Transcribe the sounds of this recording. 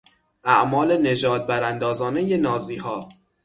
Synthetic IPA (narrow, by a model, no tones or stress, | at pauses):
ʔæʔmɒːle̞ne̞d͡ʒɒːd̪̚bæɾænd̪ɒːzɒːne̞je̞nɒːziːhɒː